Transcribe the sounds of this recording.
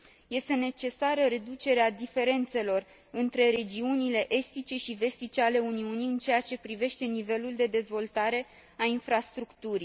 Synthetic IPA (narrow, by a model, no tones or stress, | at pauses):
je̞st̪e̞ne̞t͡ʃe̞saɾəɾe̞d̪ut͡ʃe̞ɾead̪ife̞ɾe̞nt̪se̞lo̞r | ɨnt̪ɾe̞ɾe̞d͡ʒiunile̞ʔe̞st̪it͡ʃe̞ʃive̞st̪it͡ʃeale̞uniuniɨnt͡ʃe̞jat͡ʃe̞pɾive̞ʃt̪e̞nive̞luld̪e̞d̪e̞zvo̞lt̪aɾe̞ | ainfɾast̪ɾukt̪uɾi